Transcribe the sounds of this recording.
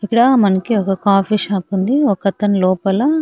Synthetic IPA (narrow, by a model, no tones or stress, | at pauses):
ikːɐɽɐmɐnɐkiɔkɐkaːpiʃaːpund̪iɔkɐt̪ɐnlɔːpɐlɐ